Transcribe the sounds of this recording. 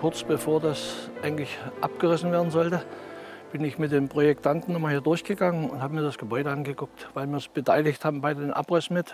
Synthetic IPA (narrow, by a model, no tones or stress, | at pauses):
kʰʊɐt͡sb̥əfoːɐdasʔaɪɡŋ̩tlɪçʔap̚ɡ̥əʁɪsn̩veːɐdn̩zɔltə | b̥ɪnɪçmɪt̚d̥eːmpʁ̥ojɛktʰantn̩nʊmaɐhiːɐdʊɐçɡ̥əɡaŋənʊnthaːbəmiːɐdasɡ̥əbɔʏɾəʔanɡəɡʊk̚tvaɪlmiːɐsb̥ətʰaɪlɪçthaːbm̩baɪddenʔa̰pʁɪsn̩mɪt